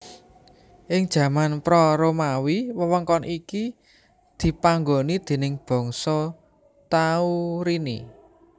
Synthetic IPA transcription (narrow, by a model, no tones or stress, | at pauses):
ʔɪŋd̥ʒ̥ä̤manpɾɔɾomawiwəwəŋkɔnʔiki | d̪̥i̤paŋɡonid̪̥e̤nɪŋb̥ɔ̤ŋsɔ | t̪auɾinḭ